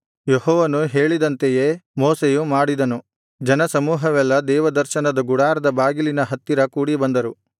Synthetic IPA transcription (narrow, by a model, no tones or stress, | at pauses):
jehɔːʋɐnuɦeːɭid̪ɐnt̪ejemoːsejumaːɽid̪ɐnu | d͡ʒɐnɐsɐmuːɦɐʋɛlːɐd̪ɛːʋɐd̪ɐɾʃɐnɐd̪ɐɡuɽaːɾɐd̪ɐbaːɡilinɐɦɐt̪ːiɾɐkuːɽibɐnd̪ɐɾu